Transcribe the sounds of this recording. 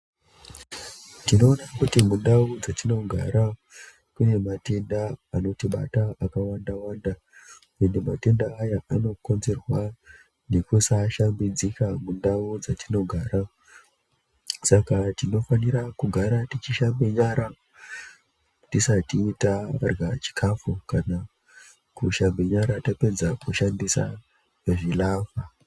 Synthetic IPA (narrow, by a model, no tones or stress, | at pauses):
tino̞ːnakutimundaud͡zatino̞ɡʱa̰ɾa | kune̞mate̞ndaːno̞tiɓataakawandawaːnda | endemate̞ndaːjaano̞ko̞nze̞rwa | ne̞kusaʃambid͡zikamundaud͡zatino̞ɡʱaːɾa | sakatino̞faniɾakuɡʱaɾatit͡ʃiʃambe̞ɲaɾa | tisatiːtarɡat͡ʃi̥kʰafukana | kuʃambe̞ɲaɾatape̞d͡zakuʃandisa̰ | eʐilaːfa